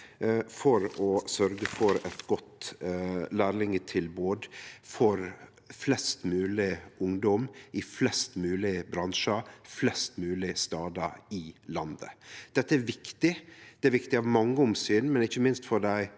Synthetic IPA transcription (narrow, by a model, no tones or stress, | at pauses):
fɔɾɔsœɾɡəfɔɾɛt̪ɡɔt̪ | læːɾlɪŋət̪ʰɪlboːd̪fɔɾ | flɛst̪mʉːlɪʊŋd̪ɔmɪflɛst̪mʉːlɪbɾɑnʂəflɛst̪mʉːlɪst̪ɑːd̪ɑɾɪlɑnd̪ə̰d̪̥ɛt̪ːəæɾʋɪkt̪ɪd̪̥ɛæɾʋɪkt̪ɪɑʋmɑŋːəʊmsyːnmɛnɪçːəmɪnst̪fɔɖæɪ